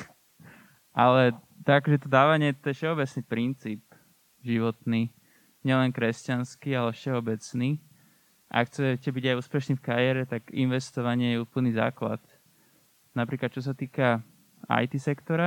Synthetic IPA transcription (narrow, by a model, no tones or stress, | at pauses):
ʔalɛ | t̪aɡakɔʒɛt̪ɔd̪aːʋaɲɪɛt̪ɔɛfʃɛɔbɛt͡snipɾint͡siːp̚ | ʒiʋɔt̪niː | ɲɪɛlɛnkɾɛscanskialɛfʃɛɔbɛt͡sniː | ʔa̰kxt͡sɛcɛbiɟajuːspɛʃniːfkaɾɪɛɾɛt̪aɡḭnʋɛst̪ɔʋaɲɪɛjɛuːpl̩niːza̰ːkla̰t̪ | napɾiːklat̪t͡ʃɔs̬at̪iːka | a̰jt̪isɛkt̪ɔɾa